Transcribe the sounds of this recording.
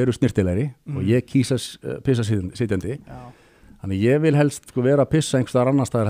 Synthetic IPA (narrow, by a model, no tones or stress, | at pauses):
ɛɾʏst̪nɪrt̪ɪlajɾɪɔɣjɛɣcʰiːsaspʰɪs̬asɪnsɪːt̪jant̪ɪ | hanːajɛɣvɪlɦɛlst̪skɔːvɛːɾapʰɪsːaejŋkft̪aɾanːast̪aːðɾɛ